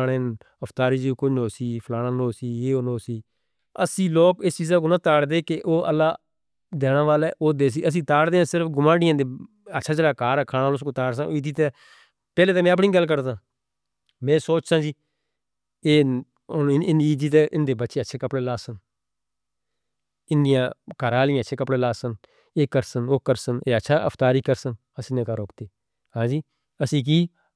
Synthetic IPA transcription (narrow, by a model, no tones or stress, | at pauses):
ɽeːn | əpʰt̪aːɾiːd͡ʒiːkʊnoːsiːpʰlaːɽãːnoːsiːeːoːnoːsiː | əsĩːloːkɪst͡ʃiːzaːk̬oːnãːt̪aːɽd̪eːkeʔoːəlːaː | d̪ɛːnãːʋaːleːʔoːd̪eːs̬iːəs̬ĩːt̪aːɽd̪eːãːsɪɾəfʰɡʊmãːɽɪjãːd̪eː | ətːʃʰaːd͡ʒeːlaːkaːɾɛːkʰaːnaːlʊskõːt̪aːɽsãːoɪd̪iːt̪ɛː | pɛːleːt̪ẽːmɛ̃ːəp̬ɳiːɡəlːkəɾd̪ãː | mɛ̃ːsoːt͡ʃsãːd͡ʒiː | eː | ɪniːd̪iːt̪̬ɛːʔɪnd̪eːbətːʃeːtːʃʰeːkəpɽeːlaːsən | ɪnd̪ɪjãːkaːɾaːlɪjãːʃʰeːkəpɽeːlaːsən | eːkəɾsənoːkəɾsəneːətːʃʰaːʔə̰pʰt̪aːɾiːkəɾsən | əsĩːnẽːkaːɾoʊkʰt̪eː | hãːd͡ʒiː | əsĩːk̬iː